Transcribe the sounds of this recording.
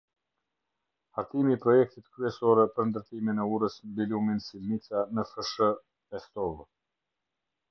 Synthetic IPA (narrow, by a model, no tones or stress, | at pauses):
haɾt̪imiːpɾɔjɛk̚t̪it̪kɾyɛsɔɾɛpəɾnd̪əɾt̪iminɛuɾəsmbiluminsilnit͡sanəfəʃə | ɛst̪ɔv